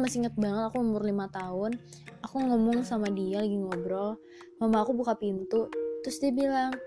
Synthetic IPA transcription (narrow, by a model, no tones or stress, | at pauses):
masiŋət̪̚baŋət̪akuumʊrlimat̪aɦʊn | akuŋɔmʊŋsamadialaɡiŋɔbɾɔ | mamaːkubukapint̪ut̪ɾʊsdiabilaŋ